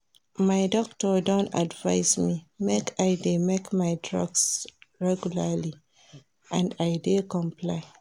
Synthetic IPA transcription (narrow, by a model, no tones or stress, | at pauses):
maɪdɔk̚tɔdõnta̰dva̰ɪsmimekʰaɪdemekmaɪdɹɔ̰ɡsɹɛɡjulali | ʔãndajdekɔ̃mpʰlaɪ